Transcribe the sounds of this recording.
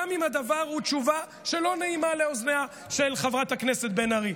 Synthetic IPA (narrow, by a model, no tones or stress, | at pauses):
amimhad̪avaʁhutt͡ʃuva | ʃe̞lo̞neimaleoznea | ʃelχavʁat̪akneset̪̚benaʁi